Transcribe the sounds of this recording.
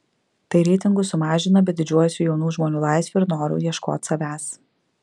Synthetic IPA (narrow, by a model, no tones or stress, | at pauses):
t̪ɐɪɾʲɛɪt̪ʲɪŋɡʊsʊmɑːʒʲɪnɐbʲɛd̪ʲɪd͡ʒʲuɔjʊsʲuːjɛʊnuːʒmoːnʲuːlˠɑˑɪsʲʋʲuɪɾnoːɾʲṵːjiɛʃko̰ːt̪ʲsɐʋʲæːs